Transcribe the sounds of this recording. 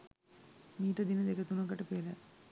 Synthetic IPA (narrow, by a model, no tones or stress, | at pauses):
miːʈəd̪inəd̪ekət̪unɐɡɐʈəpelə